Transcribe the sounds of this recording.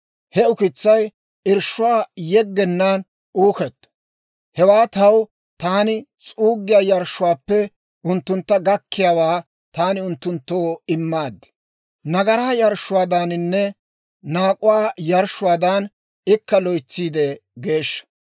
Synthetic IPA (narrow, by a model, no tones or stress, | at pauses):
hɛʊkɪt͡sːɐj | ɪɾʃʊwaːjɛɡːɛnːaːn | uːkɛt̪ː | hɛwaːt̪ɐw | t̪aːnɪt͡sʼuːɡːɪjaːjɐɾʃːʊwaːpːɛ | ʊnt̪ːʊnt̪ːɐɡɐkːɪjaːwaː | t̪aːnɪʊnt̪ːʊnt̪ːoːɪmːaːd̪ːɪ̥ | nɐɡɐɾaːjɐɾʃːʊwaːd̪anɪnːɛ | naːkʼʊwaːjɐɾʃːʊwaːd̪an | ɪkːɐlɔjt͡sːiːd̪ɛɡe̞ːʃːɐ̥